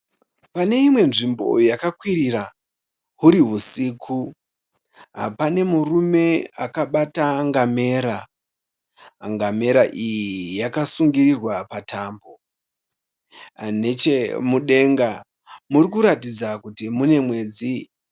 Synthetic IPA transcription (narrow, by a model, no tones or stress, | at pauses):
pane̞imwe̞nʐimbo̞̰jjakakwiɾiɾa | ɦuɾiɦusikʰu | ɦa̰pane̞murume̞akaɓataŋɡame̞ːɾa | a̰ŋɡame̞ɾaʔijijakasuŋɡiɾirwapatʰambo̞ | ane̞t͡ʃemuɗe̞ŋɡa | murikuɾatid͡zakutimune̞mwe̞ːd͡zi